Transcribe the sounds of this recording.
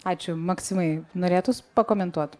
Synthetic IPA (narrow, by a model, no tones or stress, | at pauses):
ɑːt͡ʃʲʊmɐksʲɪmɐɪnoːɾʲeːt̪ʊspɐkoːmʲɛnt̪uɔt̪